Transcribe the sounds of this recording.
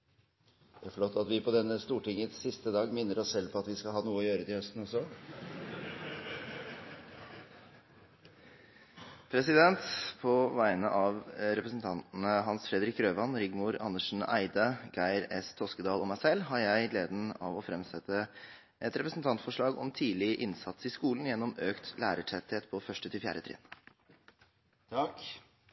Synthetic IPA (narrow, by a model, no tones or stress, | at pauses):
jæfɔɭoːt̪ɑt̪ʋɪpʰɔd̪ɛnːəst̪uːʈɪŋːənssɪst̪əd̪ɑːɡmɪnːəɾɔssɛlpʰɔɑt̪ʋɪskɑlɦɑːnuːəɔjøːɾət̪ɪœst̪n̩ɔsɔ | pʰɾɛsɪd̪ɛnt̪pʰɔʋæɪnəʔɑʋɾɛpɾəsn̩t̪ʰɑnt̪n̩əɦɑnsfɾɛd̪ɾɪkɾøːʋɑnɾɪɡmuɾɑ̰nːəʂn̩æ̰ɪd̪ɑɡæɪɾɛst̪ʰɔskəd̪ɑːlɔmæɪsɛlːɦɑɾjæɪleːd̪n̩ɑ̰ʋɔfɾɛmsɛt̪ːə | ʔɛt̪ɾɛpɾəsn̩t̪ʰɑnt̪fɔʂɭɑːɡɔ̰mt̪ʰiːlɪʔɪnsɑt̪sɪskuːln̩jɛnːɔmøːkt̪læ̰ːɾəʈʰɛt̪heːt̪pʰɔfœʂʈət̪ʰɪlfjæ̰ːɾət̪ʰɾɛ̰ːn | t̪ʰɑk